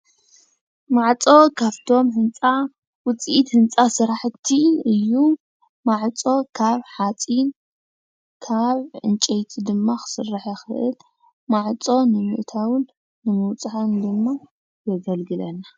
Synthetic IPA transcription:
maʕt͡sʼo̞kʰaβt̪ʰo̞mhɨnt͡sʼa | wʊt͡sʼiit̪hɨnt͡sʼasɨɾaħt̪ʰiɨjːu | maʕt͡sʼo̞kʰaβħat͡sʼin | kʰaβʕɨnt͡ʃʼejt̪ʰid̪ɨmːaxɨ̥sɨrːaħɛxɨʔɨl | maʕt͡sʼo̞nɨmɨʔt̪ʰawɨnː | ɨmɨwt͡sʼħand̪ɨmːa | jɛɡɐlɡɨlɐna

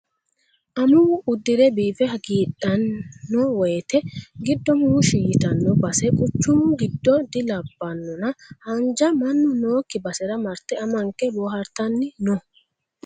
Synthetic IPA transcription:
ʔɐmʊʊd̪ːɪɾɛbiːfɛhɐɡiːᶑɐnːɔwɔjt̪ɛɡɪd̪ːɔmuːʃijɪt̪ɐnːɔbɐsɛkʼʊt͡ʃːʊmʊɡɪd̪ːɔd̪ɪlɐbːɐnːɔnɐhɐnd͡ʒɐmɐnːʊno̞ːkːɪbɐsɛɾɐmɐɾt̪ɛɐmɐŋkːɛboːɦɐɾt̪ɐnːɪnɔ

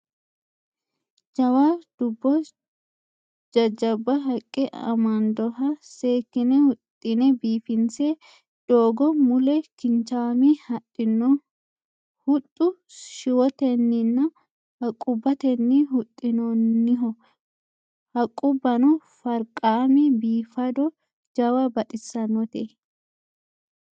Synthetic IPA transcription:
d͡ʒɐwaːd̪̥ʊbːɔ | d͡ʒɐd͡ʒɐbːɐɦɐkʼːɪʔɐ̰mɐnd̪ɔɦɐse̞ːkːɪnɛhʊt̪ʼːɪnɛbiːfɪnse | d̪̥oːɡɔmʊlɛkɪnt͡ʃaːmihɐtʼːɪnːɔ | hʊt̪ʼːʊ | ʃɪwɔt̪ɛnːɪnːɐ | hɐkʼːʊbːɐt̪ɛnːɪɦʊt̪ʼːɪnɔnːɪɦɔ | hɐkʼːʊbːɐnɔfɐɾkʼaːmɛbiːfɐd̪ɔ | d͡ʒɐwɐbɐt̪ʼɪsːɐnːɔt̪ɛ

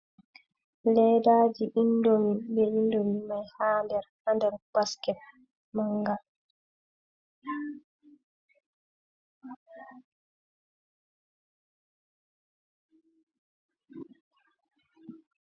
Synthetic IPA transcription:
lɛːdaːd͡ʒiʔindomibɛʔindomimajhaːndɛɾ | andɛɾb̥askɛt̚ | maŋɡa

